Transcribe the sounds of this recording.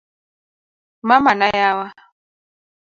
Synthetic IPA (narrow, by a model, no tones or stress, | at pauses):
mamanajawa